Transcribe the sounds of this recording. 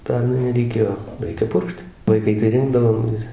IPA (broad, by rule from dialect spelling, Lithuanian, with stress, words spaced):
ˈpʲɛrnɐɪ rʲɛɪˈkʲeːjoː ˈrʲɛɪkʲɛ ˈpʊrkʃt ʋɐɪˈkɐɪ tɐɪ ˈrʲɪndɐʋoːm ʋʲɪs